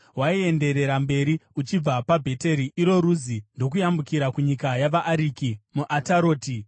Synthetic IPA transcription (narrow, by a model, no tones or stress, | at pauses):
waie̞nde̞ɾe̞ɾambe̞ɾiut͡ʃib͡vapabʱe̞te̞ɾiiɾo̞ɾuzindo̞k̬ujambukiɾakuɲikajaʋaʔːɾiːkimuʔataɾo̞ːti